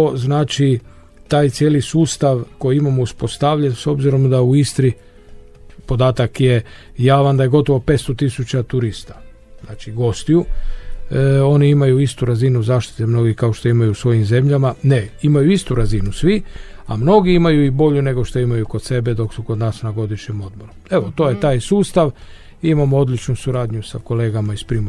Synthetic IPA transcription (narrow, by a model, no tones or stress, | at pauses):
oznaːt͡ʃi | t̪aːjt̪sjeːlisuːst̪aʋko̞jiimamouspo̞st̪aʋʎenso̞bziɾo̞md̪auist̪ɾi | po̞d̪aːt̪akje̞ | jaːʋand̪aje̞ɡo̞t̪oʋo̞pet̪st̪o̞t̪isut͡ɕat̪uɾist̪ḁ | znaːt͡ʃiɡo̞st̪iju | o̞niimajuist̪uɾazinuzaːʃt̪i̥t̪emno̞ɡikaoʃt̪oimajusʋo̞jimze̞mʎamane̞imajuist̪uɾazinusʋiamno̞ɡiimajuibo̞ʎune̞ɡo̞ʃt̪oimajuko̞d̪se̞be̞d̪o̞ksuko̞d̪naːsnaɡo̞d̪iʃɲemo̞d̪bo̞ɾume̞ʋo̞t̪o̞ːje̞t̪aːjsuːst̪aʋ | iimamoo̞d̪lʲit͡ʃnusuɾaːd̪ɲusa̰ko̞leːɡamaispɾiːm